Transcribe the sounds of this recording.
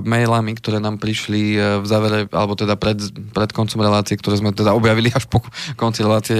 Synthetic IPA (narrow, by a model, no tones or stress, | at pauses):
mɛjlamikt̪ɔɾɛːnaːmpɾiʃlivzaːʋɛɾɛʔa̰lɛbɔt̪ɛd̪apɾɛd̪pɾɛt̪kɔnt͡sɔmɾɛlaːt͡siɛkt̪ɔɾɛːzmɛt̪ɛd̪aɔbjaʋiliaʃpɔkɔnt͡siɾɛlaːt͡siɛ